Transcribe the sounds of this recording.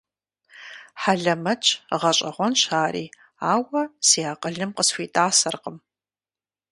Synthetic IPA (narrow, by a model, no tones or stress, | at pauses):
ħaɮɐmɐt͡ʃʰʼʁɐɕʼɐʁʷɔnʃaːɾḭː | aːwɐsiaːqʼəɮɨmqəsfʷiːtʼaːsɐrqəm